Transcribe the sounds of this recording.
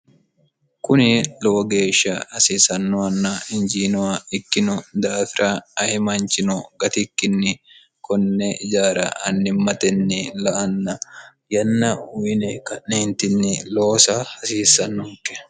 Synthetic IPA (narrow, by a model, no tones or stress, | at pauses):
kʊnɪlɔwɔɡe̞ːʃːɐhɐsiːsɐnːɐnːɐɪnd͡ʒiːnɔwaɪkːɪnɔd̪aːfɪɾʔaɐhɪmɐnt͡ʃɪnɔɡɐt̪ɪkːɪnːɪ | kʰɔnːɛɪd͡ʒaːɾɐ̰ɐnːɪmːɐt̪ɛnːɪlɐʔɐnːɐ | jɐnːɐʊɪnɛkɐnːeːnt̪ɪnːɪloːsɐhɐsiːsːɐnːʊkʼːɛ̥